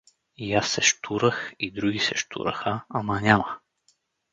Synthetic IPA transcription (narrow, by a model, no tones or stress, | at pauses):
ijasːɛʃt̪ʰuɾəxid̪ɾuɡʲisɛʃt̪ʰṵɾə̰xəɐmənʲamə